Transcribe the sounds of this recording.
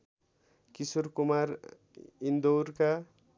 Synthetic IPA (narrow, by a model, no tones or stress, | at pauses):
kisurkumar | ind̪owrka